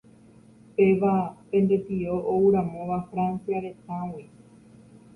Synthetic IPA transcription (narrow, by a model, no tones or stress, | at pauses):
pe̞ʋapẽ̞nd̪e̞t̪iɾo̞ʔouɾãmõ̞ʋafɾansiaɾe̞t̪ãwi